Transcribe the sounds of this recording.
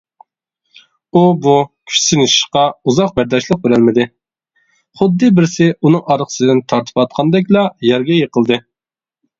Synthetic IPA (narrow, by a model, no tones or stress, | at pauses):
ubukʲʰy̥ʃsɪnɪʃi̥ʃqɑuzɑq̚bæɾd̪ɑʃlˠəq̚beɾælmɪd̪ɪ | χʊd̪ːɨbɪɾsɪunɨŋɑɾqʰə̥sɨd̪ɪnt̪ʰɑɾt̪ʰɨ̥pɑt̪̚qʰɑnd̪ɛkʲlˠɑjɛɾɡʲɛjeqʰəlˠd̪ɨ